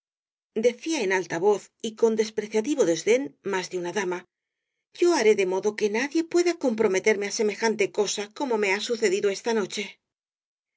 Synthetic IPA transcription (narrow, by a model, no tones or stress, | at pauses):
d̪e̞θiae̞nalt̪aβo̞θiko̞nd̪e̞spɾe̞θjat̪iβo̞ðezðe̞nmazðeunaðama | ʝo̞aɾe̞ðe̞mo̞ðo̞ke̞naðje̞pwe̞ðako̞mpɾo̞me̞t̪e̞ɾme̞ase̞me̞xant̪e̞ko̞sako̞mo̞me̞asuθe̞ðiðoe̞st̪ano̞t͡ʃe̞